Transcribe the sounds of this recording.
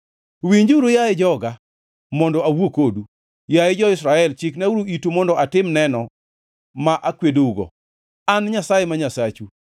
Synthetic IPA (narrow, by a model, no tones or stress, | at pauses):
wiɲd͡ʒwɾojajed͡ʒɔɡa | mɔndɔawokodu | jajed͡ʒɔɪsɾaɛlt͡ʃiknawuɾoitumɔndɔʔatɪmnɛnɔ | maʔakwedouɡɔ̰ | anɲasajemaɲasat͡ʃu